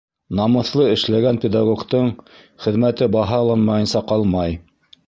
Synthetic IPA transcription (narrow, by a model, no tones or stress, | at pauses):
nɑmɤ̆θlˠɤɘ̆ʃlæɡænpʲed̪aɡokt̪ɤɴ | χɘ̆ðmæt̪ɘbɑɦɑlˠɑnmɑjɤ̆nsɑqɑlˠmɑj